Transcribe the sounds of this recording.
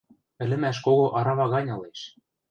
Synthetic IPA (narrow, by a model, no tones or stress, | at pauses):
ɘ̆lɘ̆mæʃ̬koɣoʔɑɾɑβɑɣɑnʲɤ̆leʃ